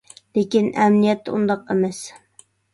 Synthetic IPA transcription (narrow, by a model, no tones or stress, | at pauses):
lekʲinɛmnijɛt̪ʰːɪund̪ɑqemɛs